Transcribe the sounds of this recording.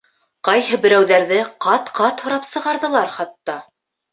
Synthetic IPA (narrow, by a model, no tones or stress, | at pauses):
qɑjɦɤbɘ̆ɾæwðæɾðɘqɑt̪qɑt̪hŏɾɑpsɤ̆ʁɑɾðɤ̆lˠɑɾχɑt̪ːɑ